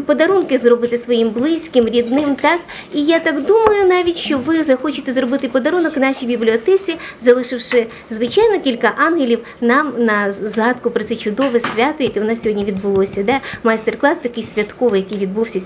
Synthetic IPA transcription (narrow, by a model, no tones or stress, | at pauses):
pɔd̪ɐɾunkɪzrɔbɪt̪ɪsʋɔjimblˠɪsʲkɪmɾʲid̪nɪmt̪ɑk | ijat̪ɑɡd̪umɐjʊnɑʋʲitʲʃt͡ʃɔʋɪzɐxɔt͡ʃɪt̪ɛzrɔbɪt̪ɪpɔd̪ɐɾunɔknɑʃijbʲiblʲiɔt̪ɛt͡sʲizɐlˠɪʃɪwʃɪ | zʋɪt͡ʃajnɔkʲilʲkɐʔɑnɦelʲiw | nɑmnɐzɦɑt̪kʊpɾɔt̪sɛt͡ʃʊd̪ɔʋɛsʲʋʲat̪ɔjɐkɛʋnɑsʲɔɦɔdʲnʲiʋʲid̪bʊlˠɔsʲɐd̪ɛmɐjst̪erklˠɑst̪ɐkɪjsʲʋʲɐt̪kɔʋɪjɐkɪjʋʲid̪buwsʲɐ